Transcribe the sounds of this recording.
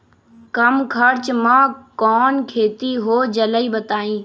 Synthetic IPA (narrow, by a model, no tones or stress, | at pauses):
kəmkʰəɾt͡ʃmãːkɔːnkʰeːt̪iɦoːd͡ʒələiːbət̪aːĩː